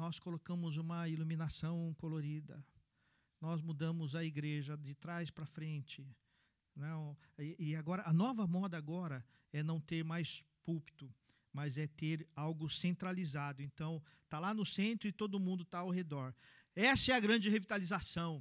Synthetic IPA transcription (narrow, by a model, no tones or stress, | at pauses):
nɔskolokɐ̃mʊzũmɐilumĩnasɐ̃w̃koloɾid̪ɐ̰ | nɔzmud̪ɐ̃mʊzɐiɡɾeʒɐd͡ʒɪt̪ɾajspɾɐfɾẽnt͡ʃɪ | nɐ̃w̃ɪaɡɔɾɐʔɐnɔvɐmɔd̪ɐaɡɔɾɐ | ɛnɐ̃w̃t̪eɾmajspupi̥t̪ʊ | mɐzɛt̪eɾawɡʊsẽnt̪ɾalizad̪ʊẽnt̪ɐ̃w̃ | t̪alanʊsẽnt̪ɾʊɪt̪od̪ʊmũnd̪ʊt̪aawɦed̪ɔɾ | ɛsɐɛɐɡɾɐ̃d͡ʒɪɦevit̪alizasɐ̃w̃